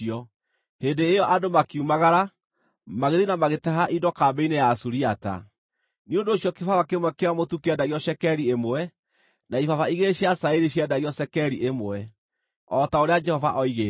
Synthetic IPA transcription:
iɔ | hedeːjɔʔadomakiumaɣaɾa | maɣeðinamaɣetɛɦaʔidɔkaːbeinejasuɾiata̰ | niondoːɕjɔkefavakemwɛkeamotukeɛdaiɔʃɛkɛɾiemoɛ | naifavaiɣeɕiasaeɾiɕ̬jɛdaiɔsɛkɛɾiʔemoɛ | ɔtaoɾead͡ʒɛhɔvaʔɔiɣe

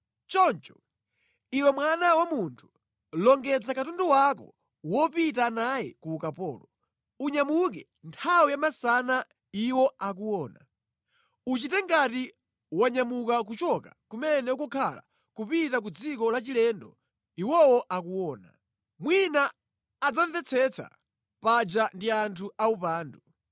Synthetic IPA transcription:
t͡ʃɔnt͡ʃɔ̥ | iwɛmwanawamuntʰu̥ | lɔŋɡɛd͡zakatundɔwakɔ̰ | wɔpitanajɛ̰kukapɔ̰ːlɔ | uɲamukɛ | ntʰawijamasana | iwɔak̬uwɔːna | ut͡ʃitɛŋɡati | waɲamukak̬ut͡ʃɔka̰kumɛnɛukɔkʰala̰ | kupitak̬ud͡zikɔlat͡ʃilɛndɔ | iwɔwɔʔakuwɔːna | mwinaː | d͡zaɱvɛt͡sʰɛt͡sʰa̰ | pad͡ʒandiantʰuaupaːndu

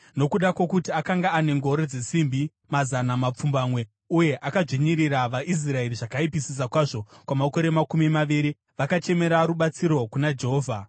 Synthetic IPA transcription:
no̞kuɗakwokutiakaŋɡaːne̞ŋɡo̞ɾed͡ze̞simbʱi | mazanamap͡fumbamwe̞ | uje̞ʔakaʐiɲiɾiɾaʋaʔis̬rae̞riʐakaipisis̬akwaʐo̞kwamako̞ɾe̞makumimaʋiɾi | ʋakat͡ʃe̞me̞ɾaɾuɓat͡siɾo̞kunad͡ʒe̞ɦoːvʱa

